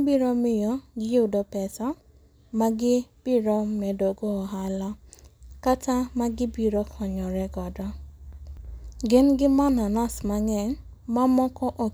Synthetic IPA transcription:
biɾɔmɪjɔɡɪjʊdɔpɛsa | maɡɪb̥ɪɾɔmɛdoɡɔɦalakatamaɡɪbiɾɔkʰɔɲɔɾɛɡɔdɔ | ɡɪnɡɪmananasmaŋɛn | mamɔkɔʔo

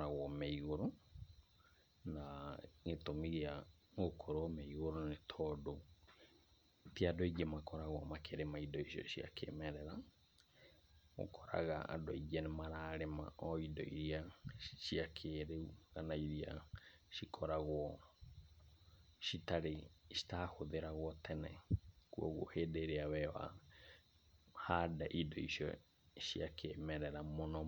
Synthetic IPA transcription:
aɣwɔmeiɣoɾo | naŋetomiɣea | ŋokʰoɾwɔmeiɣoɾonetʰɔdo | tiadoiɡɛmakɔɾaɣwɔmakʰeɾemaidɔiʃɔ̰ʃia̰kʰḛmɛɾɛɾa | ɣo̰kʰɔɾa̰ɣaa̰doiɡɛnemaɾaːɾema̰ɔidɔ̰ḭɾiaʃiakʰeɾeuɣanaiɾia̰ | ʃikʰɔɾaɣwɔ | ʃitaɾeʃi̥taːhoðeɾaɣwɔtʰɛnɛkuɔɣo̰heːdeɾeawɛwa̰ | hadaʔidɔiʃjɔ̰ | ʃiakʰemɛɾɛɾamonɔ

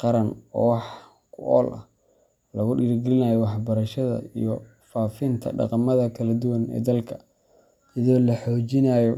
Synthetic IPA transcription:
qɑɾɐnɔ̰ːwɑħ | kʰʊʔɔ̰ːlʔɐ̰h | lɐɣʊɖɪɾɡɛlɪnaːjɔwɑħbɐɾɐʃɐðɐ̰ḭjɔ | faːfɪnt̪ʰɐ̰ɖɑ̰qɑmɐðɐkʰɐlɐd̪ʊwɐnɛ̰ːd̪ɐlkʰɐ̥ | sɐðɔːlɐħɔːt͡ʃɪnaːjɔ

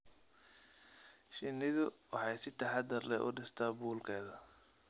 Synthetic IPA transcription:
ʃɪnːɪðʊwɑ̰ħɑjsɪt̪ʰɐħɑd̪ɐrlɛ̰ʔʊ̰ɖɪst̪ʰaːbuːlkʰɛːðɐ

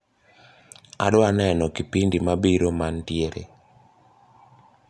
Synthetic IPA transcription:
a̰dɔanɛnɔkipindimabiɾomantjeɾḛ

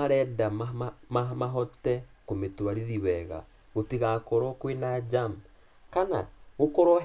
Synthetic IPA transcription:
aɾɛdamaamamaɦɔtɛkometwaɾiðiwɛɣa̰ | ɣotiɣakɔɾɔkwenad͡ʒam | kana̰ɣokoɾɔ

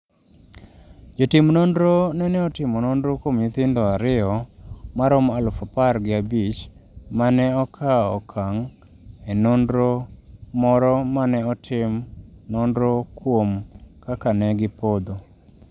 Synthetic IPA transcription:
d͡ʒotɪmnondɾonɛnɛɔtɪmɔnondɾokomit̪ɪndɔaɾɪɔmaɾɔmalʊfapaɾɡɪabit͡ʃmanɛɔkʰaɔ̰kʰaŋ | ɛnondɾomɔɾɔmanɛɔtʰɪmnɔndɾokwomkakanɛɡɪpod̪o

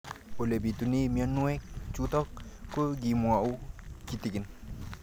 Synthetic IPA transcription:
olebit̪unimianːuɛk̚t͡ʃut̪ɔkkːoɡimuaʔukit̪ikin

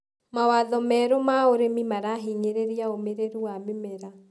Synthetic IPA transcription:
mawaðɔmɛɾomaoɾemimaɾaɦiɲeɾeɾiaomeɾeɾuwamemeɾa

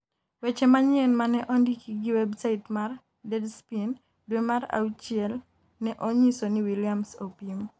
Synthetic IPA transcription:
wɛt͡ʃɛmaɲɛnmanɛʔɔndikiɡiwɛbsaɪtmar | dɛdspin | dwemara̰ut͡ʃiɛl | nɛʔoɲisoniwilijamsopim

